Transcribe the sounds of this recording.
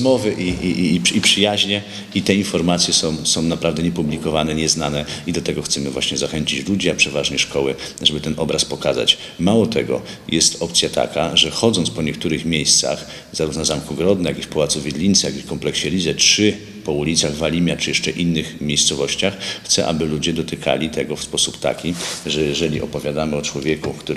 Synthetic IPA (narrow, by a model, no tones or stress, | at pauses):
mɔvɘʔiʔiʔiipʂɘjaʑɲɛ | it̪ɛinfɔɾmat̪sʲjɛsɔ̃w̃sɔ̃w̃napɾavd̪ɛɲɛpublʲikɔvanɛɲɛznanɛid̪ɔt̪ɛɡɔxt̪sɛmɘvwa̰ɕɲɛzaxɛɲt͡ɕit͡ɕlud͡ʑiapʂɛvaʐɲɛʂkɔwɘ | ʐɛbɘt̪ɛnʔɔbɾaspɔkaza̰t͡ɕ | mawɔt̪ʰɛɡɔ̰ | jɛst̪ɔpt̪sʲjat̪a̰kaʐɛxɔd̪zɔnt̪spɔɲɛkt̪uɾɘxmʲjejst̪sa̰x | zaɾufnazamkuɡɾɔd̪nɛjakifpɔwat̪suvʲjed̪lʲint̪sɛjaɡifkɔmplɛkɕɛlʲizɛtʂɘ | pɔulʲit̪saɣvalʲimʲjat͡ʂɘjɛʂt͡ʂɛʔinːɘxmʲjejst̪sɔvɔɕt͡ɕaxːt̪sɛʔa̰bɘlud͡ʑɛd̪ɔt̪ɘkʰa̰lʲit̪ʰɛɡɔfspɔsupt̪a̰kʲiʐɛjɛʐɛlʲiʔɔpɔvʲjad̪amɘɔt͡ʂwɔvʲjɛkukt̪u